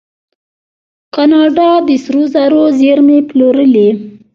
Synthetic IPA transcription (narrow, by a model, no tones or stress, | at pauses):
qɑnɑɖɑd̪əsɾozaɾozeɾmeploɾəli